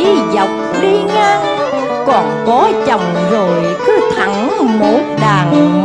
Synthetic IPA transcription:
i˨˦zə˨˩wk͡p̚ɗi˧ŋaː˧ŋ | kɔ˨˩nkɔ˨˦t͡ɕə˨˩wŋ͡m | zo˨˩j | kɨ˨˦t̪ʰa˧˩ŋ | mo˨˩t̚ɗaː˨˩ŋ

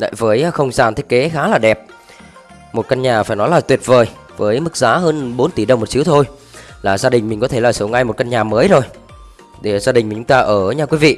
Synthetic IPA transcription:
la̰ː˧˨jvəː˨˦jxə˧wŋ͡mzaː˨˩nt̪i˦˥ək̚ke˨˦xaː˨˦laː˨˩ɗɛ˨˩p̚ | mo˨˩t̚kə˧nɲaː˨˩faː˧˩jnɔ˨˦jlaː˨˩t̪wi˨˩ət̚vəː˨˩j | vəː˨˦jmɨ˦˥k̚zaː˨˦ɦəː˧nɓo˨˦nt̪i˧˩ɗə˨˩wŋ͡mmo˨˩t̚t͡ɕi˨˦wt̪ʰo˧j | laː˨˩zaː˧ɗï˨˩ŋ̟mï˨˩ŋ̟kɔ˨˦t̪ʰe˧˩laː˨˩so˨˦wŋa˧jmo˨˩t̚kə˧nɲaː˨˩məː˨˦jzo˨˩j | ɗe˧˩zaː˧ɗï̟˨˩mi̟˨˩t͡ɕʊ˨˦ŋ͡mt̪aː˧ʔəː˧˩ɲaː˧˩kwi˨˦vḭ˧˨

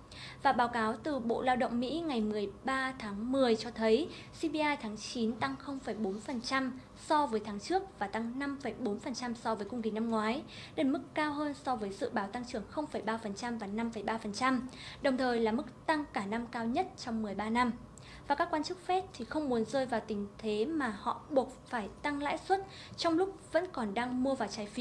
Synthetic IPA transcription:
vaː˨˩ɓaː˨˦wkaː˨˦wt̪ɨ˨˩ɓo̰˧˨laː˧wɗə̰˧˨wŋ͡mmḭ˧˥ŋa˨˩jmɨ˨˩əjɓaː˧t̪ʰaː˨˦ŋmɨ˨˩əjt͡ɕɔ˧t̪ʰə˨˦j | si˧ɓi˧ʔaː˧jt̪ʰaː˨˦ŋt͡ɕi˨˦nt̪a˧ŋxə˧wŋ͡mfə˧˩jɓo˨˦nfə˨˩nt͡ɕa˧m | sɔ˧vəː˨˦jt̪ʰaː˨˦ŋt͡ɕɨ˦˥ək̚vaː˨˩t̪a˧ŋna˧mfə˧˩jɓo˨˦nfə˨˩nt͡ɕa˧msɔ˧vəː˨˦jkʊ˧ŋ͡mkï˨˧˩na˧mŋwaː˨˦jɗe˧˩mɨ˦˥kːaː˧wɦəː˧nsɔ˧vəː˨˦jzɨ̰˧˨ɓaː˨˦wt̪a˧ŋt͡ɕɨ˧˩əŋxə˧wŋ͡mfə˧˩jɓaː˧fə˨˩nt͡ɕa˧mvaː˨˩na˧mfə˧˩jɓaː˧fə˨˩nt͡ɕa˧mɗə˨˩wŋ͡mt̪ʰəː˨˩jlaː˨˩mɨ˦˥k̚t̪a˧ŋkaː˧˩na˧mkaː˧wɲə˦˥t̚t͡ɕɔ˧wŋ͡mmɨ˨˩əjɓaː˧na˧m | vvaː˨˩kaː˦˥kːwaː˧nt͡ɕɨ˦˥k̚fɛ˦˥t̚t̪ʰi˨˩xə˧wŋ͡mmu˨˦ənzəː˧jvaː˨˩wt̪ï˨˦ŋ̟t̪ʰe˨˦maː˨˩hɔ̰˧˨ɓu˨˩ət̚faː˧˩jt̪a˧ŋla̰ː˧˥jswə˦˥t̚ | t͡ɕɔ˧wŋ͡mlʊ˦˥k͡p̚və̰˧˥nkɔ˨˩nɗaː˧ŋmu˧əvaː˨˩wt͡ɕaː˨˦jfi˨

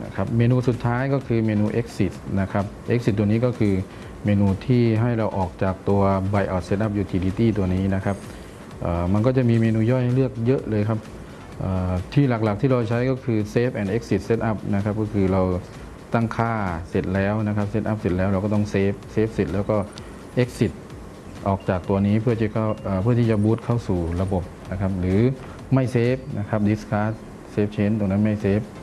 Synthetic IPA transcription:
na̰˧˩kʰa˦˥p̚meː˧nuː˧su˨˩t̪ʰːaː˦˥jkɔː˥˩kʰɯː˧meː˧nuː˧ʔe˦˥k̚si˨˩t̪̚na˦˥kʰa˦˥p̚ʔe˧˦˥k̚si˨˩t̪̚ːu˧əniː˦˥kɔː˥˩kʰɯː˧ | meː˧nuː˧t̪ʰiː˥˩ɦa˥˩jɾa˧wʔɔː˨˩k̚t͡ɕaː˨˩k̚t̪u˧ɐba˧jʔa˨˩t̪̚se˦˥t̪̚ʔa˦˥˩p̚juː˨˩t̪ʰiː˧diː˧t̪iː˥˩t̪u˧ɐniː˦˥na˦˥kʰa˦˥p̚ | ʔaː˨˩ma˧nkɔː˥˩t͡ɕa˨˩ʔmiː˧meː˧nuː˧jɔ˥˩jha˥jlɯ˥˩ək̚jɤ˦˥ʔlɤː˧jkʰa˦˥p̚ | ʔəː˨˩t̪ʰiː˥˩la˨˩k̚la˨˩k̚t̪ʰiː˥˩ɾa˧wt͡ɕʰa˦˥jkɔː˥˩kʰɯː˧seː˦˥p̚ʔɛ˨˩nʔe˦˥k̚si˨t̪̚se˦˥t̪̚ʔa˦˧˥p̚na˦˥kʰa˧˦˥p̚kɔː˥˩kʰɯː˧ɾa˧w | t̪a˥˩ŋkʰaː˥˩se˨˩t̪̚lɛː˦˥wna˦˥kʰa˦˥p̚se˧˥t̪ʔa˧˥p̚se˨˩t̪̚lɛː˦˥wɾa˧wkɔː˥˩t̪ɔ˥˩ŋseː˦˥˩p̚seː˦˥p̚se˨˩t̪̚lɛː˦˥wkɔː˥˩ | ʔe˦˥k̚si˨˩t̪̚ | ʔɔː˨˩k̚t͡ɕaː˨˩k̚t̪u˧ɐniː˦˥pʰɯ˥˩ɐt͡ɕʰi˧˩kʰa˧˩wʔːpʰɯ˥˩ɐt̪ʰiː˥˩t͡ɕa˨buː˦˥t̪̚kʰa˥˩wsuː˨˩la˧bo˨˩p̚na˦˥kʰa˦˧˥p̚lɯː˨˦ | ma˥˩jseː˦˥p̚nʔa˦˧˥kʰa˦˥p̚di˧˦˥skʰaː˦˥ | seː˦˥p̚t͡ɕʰe˧˥˨nt̪o˨˧˨ŋna˦˥nma˥˩jseː˦˥p̚

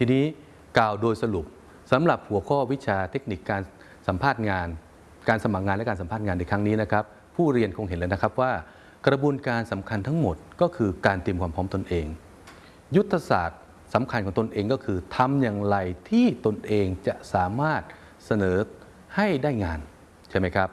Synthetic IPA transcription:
t̪ʰiː˧niː˦˥ | klaː˨˩wdoː˧jsa˧lu˨˩p̚ | sa˨˦mɾa˨˩p̚hu˩˦ɐkʰɔː˥˩wi˦˥t͡ɕʰaː˧t̪ʰe˦˥k̚ni˨˩kːaː˧n | sa˩˦mpʰaː˥˩t̪̚ŋaː˧n | kaː˧nsa˧ma˨˩k̚ŋaː˧nlkaː˧nsa˩˦pʰaː˥˩ŋaː˧nːda˧jkʰɾa˦˥ŋniː˦˥na˦˥kʰɾa˦˥p̚ʰːuː˥˩ɾi˧ənkʰo˧ŋɦe˨˦lːna˥kʰa˦˥p̚waː˥˩ | kɾa˧bu˧ənkaː˧nsa˩˦mkʰa˧nt̪ʰa˦˥ŋmo˨˩t̪̚kɔː˥˩kʰɯː˧kaː˧nt̪iː˧mkʰwaː˧mpʰɔː˦˥mt̪o˧nʔeː˧ŋ | ju˦˥t̪ʰːa˧sa̰ː˨˩t̪̚ | sa˩˦mkʰa˧nkɔː˩˦ŋt̪o˧nʔeː˧ŋkɔː˥˩kʰɯː˧t̪ʰa˧mjaː˨˩ŋɾa˧jt̪ʰiː˥˩t̪o˧nʔeː˧ŋt͡ɕa˨˩ʔsaː˩˦maː˥˩t̪̚ | sa˧nɤː˩˦ | ha˥˩jdaː˥˩jŋaː˧n | t͡ɕʰa˥˩jma˦˥jkʰɾa˦˥p̚

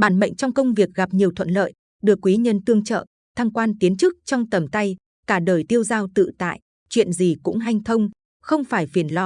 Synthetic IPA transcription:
ɓaː˧˩nɓə̰˧˨jŋ̟t͡ɕɔ˧wŋ͡mkə˧wŋ͡mvi˨˩ək̚ɣa˨˩p̚ɲi˨˩əwt̪ʰə̰˧˨nlə̰ː˧˨j | ɗɨ˨˩əkːwi˨˦ɲə˧nt̪ɨ˧əŋt͡ɕə̰ː˧˨ | t̪ʰaː˧ŋkwaː˧nt̪i˨˦ənt͡ɕɨ˦˥k̚t͡ɕɔ˧wŋ͡mt̪ə˨˩mt̪a˧j | kaː˧˩ɗəː˨˩jt̪i˧əwzaː˧wt̪ɨ̰˧˨t̪a̰ː˧˨j | t͡ɕwḭ˧˨ənzi˨˩kʊ̰˧˥ŋ͡mɦa˧jŋ̟t̪ʰə˧wŋ͡m | xə˧wŋ͡mfaː˧˩jfi˨˩ənlɔ˧˩

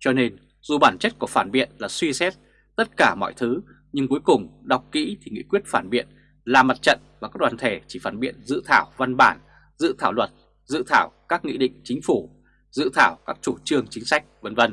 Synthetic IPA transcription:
t͡ɕɔ˧ne˧n | zu˨˩ɓaː˧˩nt͡ɕə˦˥t̚ku˧˩əfaː˧˩nɓḭ˧˨ənlaː˨˩swi˧sɛ˦˥t̚ | t̪ə˦˥t̚kaː˧˩mɔ̰˧˨jt̪ʰɨ˨˦ | ɲɨ˧ŋku˨˦əjkʊ˨˩ŋ͡mɗa˨˩wk͡p̚kḭ˧˥t̪ʰi˨˩ŋḭ˧˥kwət̚faː˧˩nɓḭ˧˨ən | laː˨˩ma˨˩t̚t͡ɕə̰˧˨nvaː˨˩kaː˦˥k̚ɗwaː˨˩t̪ʰe˧˩t͡ɕi˧˩faː˧˩nɓḭ˧˨ənzɨ̰˧˨t̪ʰaː˧˩wva˧nɓaː˧˩n | zɨ̰˧˨t̪ʰaː˧˩wlwə˨˩t̚ | zɨ̰˧˨t̪ʰaː˧˩wkaː˦˥k̚ŋḭ˧˥ɗḭ̈˧˨ŋ̟t͡ɕï˨˦ŋ̟fu˧˩ | zɨ̰˧˨t̪ʰaː˧˩wkaː˦˥k̚t͡ɕu˧˩t͡ɕɨ˧əŋt͡ɕï˨˦ŋ̟sa˦˥jk̟̚və˨˦nvə˧n

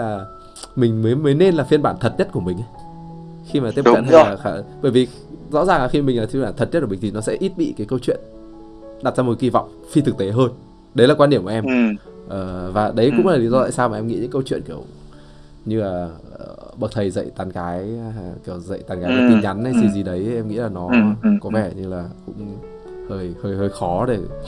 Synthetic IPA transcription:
laː˨˩ | mï˨˩ŋ̟məː˨˦jməː˨˦jne˧nlaː˨˩fi˧ənɓaː˧˩nt̪ʰə˨˩t̚ɲə˦˥t̚ku˧˩əmï˨˩ŋ̟ʔa˨˦ | xi˧maː˨t̪i˦˥ə˥kə˧˨nhaː˨˩xaː˨˩ɓəː˧˩jvi˨˩ | zɔ̰˧˥zaː˨˩ŋlaː˨˩xi˧mï˨˩ŋ̟laː˨˩i˧ɓaː˧˩t̪ʰə˨˩t̚ɲə˦˥t̚kːmi̟˨˩t̪ʰi˨˩nɔ˨˦sɛ̰˧˥ʔi˦˥t̚ɓḭ˧˨kaː˨˦jkə˧wt͡ɕwḭ˧˨ən | ɗa˨˩t̚zaː˧mo˨˩˦i˧vɔ̰˧˨wŋ͡m | fi˧t̪ʰɨ˨˩k̚t̪e˨˦ɦəː˧n | ɗə˨˦jlaː˨˩kwa˧ɗi˧˩əmkːʔɛ˧mʔəː˨˩vaː˨˩ɗə˨˦jkʊ̰˧˥ŋ͡mlaː˨˩li˨˦zɔ˧a̰ː˧˨saː˧maː˨ʔɛ˧mŋḭ˧˥ɲɨ̰˧˥kə˧wt͡ɕwḭ˧˨ənki˧˩əw | ɲɨ˧laː˨˩˨ | ɓə˨˩k̚t̪ʰə˨˩jzə̰˧˨jt̪aː˨˦nɣaː˨˦jki˧˩əwzə̰˧˨jt̪aː˨˧nɣaː˨˦lːti˧ɲa˨˦nɗə˧jsi˨˧˩zi˨˩ɗə˨˦jʔɛ˧mŋḭ˧˥laː˨˩nɔ˨˦kɔ˨˦vɛ˧˩ɲɨ˧ŋlaː˨˩kʊ̰˧˥ŋ͡m | həː˧˩jhəː˧jhəː˧˩jxɔ˨˦ɗe˧˩

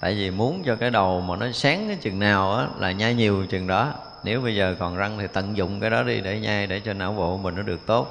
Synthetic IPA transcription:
t̪a̰ː˧˨jvi˨˩mu˨˦ənt͡ɕɔ˧kaː˨˦jɗə˨˩wmaː˨˩nɔ˨˦saː˨˦ŋkaː˨˦jt͡ɕɨ˨˩ŋnaː˨˩wʔaː˨˦laː˨˩ɲaː˧jɲi˨˩əwt͡ɕɨ˨˩ŋɗɔ˨˦ | ne˨˦wɓə˧jzəː˨˩kɔ˨˩nza˧ŋt̪ʰi˨˩t̪ə̰˧˨nzʊ̰˧˨ŋ͡mkaː˨˦jɗɔ˨˦ɗḭ˧ɗe˧˩ɲaː˧jɗe˧˩t͡ɕe˧naː˧˩wvo̰˧˨˧mï̟˨˩nɔ˨˦˥ɗɨ˨˩ək̚t̪o˦˥t̚

